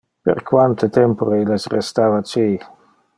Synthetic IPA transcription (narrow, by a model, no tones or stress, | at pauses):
pḛɾkwant̪et̪ɛmpoɾeilesrest̪aːvat͡ʃi